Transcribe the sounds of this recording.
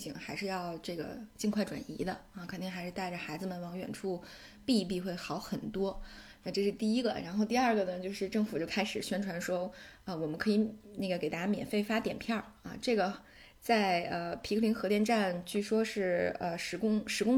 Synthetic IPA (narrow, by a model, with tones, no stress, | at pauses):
ɕi˨˩ŋxa˧˥ɪʂɻ̩˥˧jɑ˥˧ʊʈ͡ʂɤ˥˩ɡə̰˩t͡ɕi˥˧ŋkʰwa˥˩ɪʈ͡ʂwa̰˨˩nḭ˧˥d̪ə˧ɐ˥˧kʰə˨˩nt̪i˥˩ŋxa˧˥ɪʂɻ̩˥˧t̪a˥˩ɪʈ͡ʂə˩xa˧˥ɪd͡zɹ̩˧mə˨˩nwɑ˧˥ŋɥɛ̰˨˩nʈ͡ʂʰu˥˩ | pi˥˧p̬i˥˧xwe˥˩ɪxɑ˧˥ʊxə˨˩nt̪wɔ˥ | na˥˧ʈ͡ʂɤ˥˧ʂɻ̩˥˧t̪i˥˩i˥ɡə̰˧˨ɻa˧˥nxo˥˧ʊt̪i˥˧ɐ˞˥˩ɡə˩nə˩t͡ɕjo˥˧ʊʂɻ̩˥˧ʈ͡ʂɤ˥˩ŋfu˨˩t͡ɕjo˥˩ʊkʰa˥ɪʂɻ̩˨˩ɕɥɛ˥nʈ͡ʂʰwa˧˥nʂwɔ˥ə˧wɔ˨˩mə˦nkʰɤ˧˥i˧˥ne˥˩ɡə˩ke˨˩ɪt̪a˥˩t͡ɕa˥mjɛ̰˨˩nfe˥˩ɪfa˥t̪jɛ˨˩npʰjɑ˥˩ɐ̰˧ʈ͡ʂɤ˥˩ɡə˩ | t͡sa˥˧˩ɪə˧pʰi˧˥li˧˥nxɤ˧˥t̪jnʈ͡ʂa˥˧nt͡ɕy˥˩ʂwɔ˥ʂɻ̩˥˩ə̰˧ʂɻ̩˧˥kʊ˥ŋʂɻ̩˧˥kʊ˥ŋ